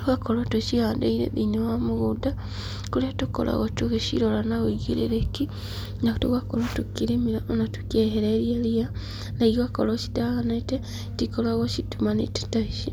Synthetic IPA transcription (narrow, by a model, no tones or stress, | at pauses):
tuɣakolotuʃiaːndḛiɾḛðinowamuɣuda | kuliatuko̰la̰ɣotuɣeʃḭɾolanauiɡḭlḭɾeki | naktuɣakolotukiɾimiɾaonatu̥kjeɦeɾeɾjelia | naiɣakoloʃi̥taɣanaite | tikolaɣoʃitumanḭti̥taiʃi